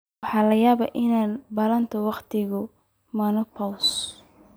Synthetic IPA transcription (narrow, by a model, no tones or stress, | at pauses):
ɑħɑːlɐjaːβɐʔɪnaːbɐlɐnt̪ʰɔwɑqt̪ʰɪɣʊ | mɐnɔpʰɔws